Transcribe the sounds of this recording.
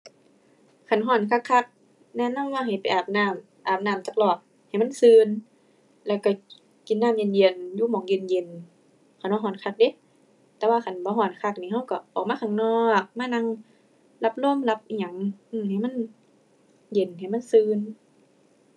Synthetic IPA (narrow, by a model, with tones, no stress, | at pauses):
kʰa˧˨˩nɦɔː˧˩˨nkʰa˧kʰːa˧k̚ | nɛː˧˨na˧˥˨waː˧ɦa˨˩jpa˨jʔaː˨˩p̚naː˧˩˨m | ʔaː˨˩p̚naː˧˩˨mt͡ɕa˧˩k̚lɔː˧˩k̚ | ha˨˩jma˧˥˨nsɯː˧n | lɛː˧˩wka˧˩ | ki˨nːaː˧˥˨mje˧˩˨nji˧˩ənjuː˧˨mɔː˨˦ŋje˧˨nje˧˨˦n | kʰa˨˦nɔ˧˦ɦɔː˧˩nkʰa˧k̚de˧˦ | t̪ɛː˧˦waː˧kʰa˨˦nbɔː˧˦ɦɔː˧˩nkʰa˧k̚niː˧ha˧˥˨wka˧˩ʔɔː˨k̚maː˧˥˨kʰa˧˨ŋnɔː˧k̚maː˧˥˨na˧˥ŋ | la˧p̚lo˧˥˨mla˧p̚ʔi˧˩ɲa˨˦ŋʔɯː˧˩mha˨˩jma˧˥˨n | je˨˩nha˨˩˨jma˧˥˨nsɯː˧n